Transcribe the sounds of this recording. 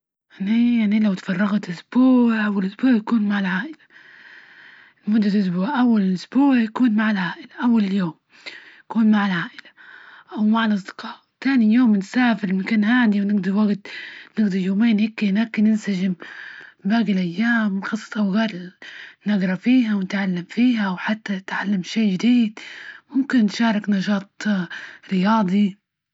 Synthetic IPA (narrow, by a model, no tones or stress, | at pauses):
ʔnijaʕnilawt̪fɑrˤːɑɣat̪ʔʊsb̥uːʕawɪlʔʊsbuːʕjakuːnmaʕalʕaːʔɪlḁ | mʊd̪ːalʔʊs̬buːʕʔawːalɪlʔʊsbuːʕjakuːnmaʕalʕaːʔɪlaʔawːalɪljoːm | jaakuːnmaʕalʕaːʔɪlaʔawmaʕalʔɑs̬ˤd̪ɪ̥qɑːʔt̪aːnijoːmnsaːfɪɾmɪkaːnhaːd̪iwnɪɡd̪ɑɾwaɡt̪nɪɡd̪ɑɾjoːmeːnhɪkːenaːkːɪnɪnsaʒɪm | baːɡɪlʔajːaːmxɑsˤːɑ̥ʔawɣeːɾnaɡɾˤɑfiːɦawnɪt̪ʕalːamfiːhawħat̪ːaɪt̪ʕalːamʃeːʒɪd̪iːd̪mʊmkɪnːʃɑːɾˤɪknɑʃɑːt̪̚ˤ | ɾɪjɑːd̪ˤi